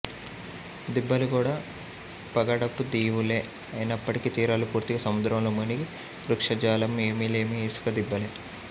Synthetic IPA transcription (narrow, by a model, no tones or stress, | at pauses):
d̪ibːɐlukuːɽaː | pɐɡɐɽɐpːud̪iːʋuleː | ɐjnɐpːɐʈikiːt̪iːɾaːlupuːɾt̪iɡɐsɐmud̪ɾɐmloːmɐniɡi | ɾukʂɐd͡ʒaːlɐme̞ːmiːle̞ːmieːsu̥kɐd̪ibːɐleː